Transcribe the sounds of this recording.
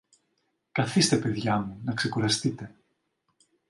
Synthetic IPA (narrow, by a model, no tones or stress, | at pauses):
kɐθist̪e̞pe̞ðʝɐmunɐkse̞kuɾɐst̪it̪e̞